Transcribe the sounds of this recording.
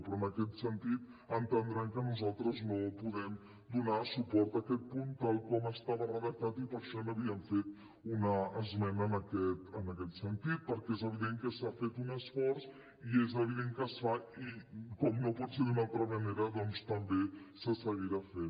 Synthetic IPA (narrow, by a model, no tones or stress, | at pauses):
pɾɔənəkɛt̪sənt̪it̪ | ənt̪ənd̪ɾɛmkənuzalˠt̪ɾəznopuðɛm | d̪unasupɔɾt̪əkɛt̪̚punt̪alˠkɔməst̪aβərəðək̚t̪at̪ipəɾʃɔnəβiəɱfet̪ | unəːzmɛnəːnəkɛt̪ənəkɛt̪sənt̪it̪̚pəɾkɛezəβiðeŋkəsafet̪unəsfɔɾs | iezəβ̞iðeŋkəsfaikɔmnopɔt̪seðunalˠt̪ɾəməneɾəðɔnst̪əmbesəsəɣiɾafe